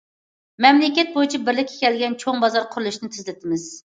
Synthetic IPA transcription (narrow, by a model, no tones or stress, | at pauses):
mɛmlɪkʲɛt̪̚bojit͡ʃʰibɪɾlɪkʲːe̥kʲɛlɡʲɛnt͡ʃʰoŋbɑzɑɾqʰʊɾulˠuʃnɪt̪ʰɪzlɪt̪ʰɪmɪz̥